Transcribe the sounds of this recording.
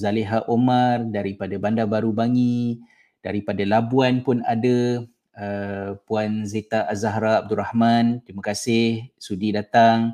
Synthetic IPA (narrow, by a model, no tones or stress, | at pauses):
zaleɦaʔomardaɾipadabandabaɾubaŋi | d̥aɾipadalabuanpʊnada | əpuanzet̪aʔazaɦɾaːb̚duɾahmant̪ɾimãkasɪhsudidat̪aŋ